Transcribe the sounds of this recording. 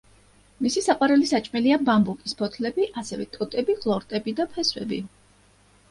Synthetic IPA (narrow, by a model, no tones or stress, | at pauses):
misisaqʼwaɾɛlisat͡ʃʼmɛliabambukʼispʰɔt̪ʰlɛbiʔasɛvɛt̪ʼɔt̪ʼɛbiχlˠɔɾt̪ʼɛbid̪apʰɛswɛ̰bḭ